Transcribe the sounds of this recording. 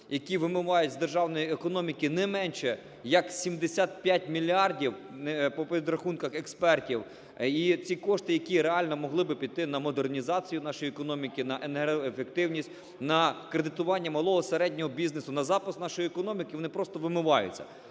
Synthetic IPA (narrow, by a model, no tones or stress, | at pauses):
jɐkʲiʋɪmʊʋɑjʊtʲzd̪erʒɑwnɔjiekɔnɔmʲikɪnɛmɛnʲʃɛ | jɐksʲimd̪esʲat̪̚pʲjatʲmʲilʲiɑrdʲiwpɔpeʋʲid̪ɾɐxunkɐxekspɛrtʲiw | it͡sʲikɔʃt̪ɪjɐkʲiɾeɑlʲnɔmɔɦlˠɪbɪpʲid̪t̪ɪnɐmɔd̪ernʲizɑt͡sʲijʊnɑʃɔjiekɔnɔmʲikɪnɐʔenɔefek̚t̪ɪwnʲisʲtʲ | nɐkɾed̪ɪt̪ʊʋɑnʲːɐmɐlˠɔɦɔseɾɛdʲnʲɔɦɔbʲiznesʊnɐzɑpɪsnɑʃɔjiekɔnɔmʲikɪʋɔnɪpɾɔst̪ɔʋɪmʊʋɑjʊ̰t͡sʲːɐ̰